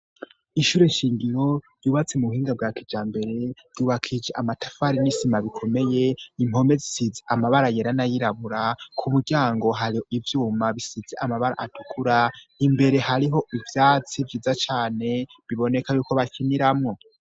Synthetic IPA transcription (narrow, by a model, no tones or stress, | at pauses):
iʃuːɾe̞ʃiːŋɡiɾo̞ | juːβat͡semuuhiːŋɡab̚ɡaːkid͡ʒaːmbe̞ɾe̞v̥uːβakʰid͡ʒeʔamatafaɾinisimaβikʰo̞me̞je̞im̥ho̞me̞zisizeʔamaβaɾajeɾanajiɾaβuɾakʰumuɾɟaːŋɡo̞ɦaɾioʔivjuːmaβisizeʔamaβaɾa̰ʔatukʰuɾaimbe̞ɾe̞haɾiɦo̞ʔivjaːt͡sivjiːzat͡ʃaːne̞βiβo̞ne̞kajuːko̞βakʰiniɾamŋo̞